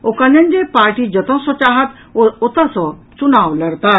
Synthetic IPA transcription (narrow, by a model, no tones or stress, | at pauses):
okãnjə̃ɲd͡ʑepaɾʈid͡ʑət̪ɔ̃sɔt͡ɕaɦat̪ | ɔt̪asɔ | t͡sunawlɐɾt̪a